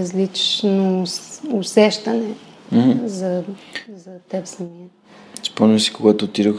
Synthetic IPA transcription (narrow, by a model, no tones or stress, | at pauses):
ɐzlit͡ʃʃnoʊsɛʃt̪ɐnɛ̃ | zɐzɐt̪ɛpsɐmiə | i̥spɔnmisi̥koɡat̪ot̪iɾəx